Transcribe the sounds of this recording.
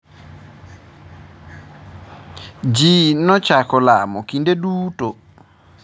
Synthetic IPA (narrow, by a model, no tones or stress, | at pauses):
d͡ʒinɔt͡ʃakɔlamɔkindeɗuːto